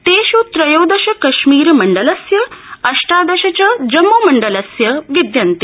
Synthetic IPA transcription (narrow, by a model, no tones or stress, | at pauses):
t̪eːʃut̪ɾɐjoːd̪ɐʃɐkɐʃmiːɾmɐɳɖɐlɐsjɐɐʂʈaːd̪ɐʃɐt͡ɕɐd͡ʑɐmːumɐɳɖɐlɐsjɐʋid̪jɐnt̪i